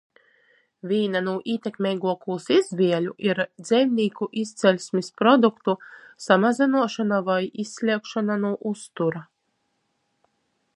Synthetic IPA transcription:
vʲiːnanuːʔiːt̪ʲekmʲɛjɡuɔkuːsizvʲiɛlʲuʔiɾd̪zʲɛjwnʲiːkuʔist̪sɛlʲsʲmʲispɾɔd̪ukt̪usamazʲinuɔʃanavajisʲːlʲiɛkʃananuːʔust̪uɾa

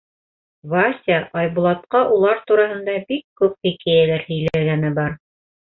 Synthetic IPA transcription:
vasʲaʔɑjbulˠɑt̪̚qɑʔulˠɑɾt̪uɾɑɦɤ̆nd̪ɑbikːʉp̚pikæjælæɾhɘ̆jlæɡænɘbɑɾ

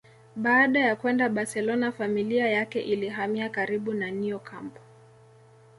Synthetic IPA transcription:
ɓaːɗajakwɛndaɓasɛlɔnafamiliajakɛʔiliɦamiakaɾiɓunaniɔkʰampɔ̥

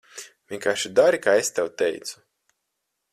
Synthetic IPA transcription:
vʲiɛŋkaːʃid̪aɾikaːest̪ɛwt̪ɛjt̪su̥

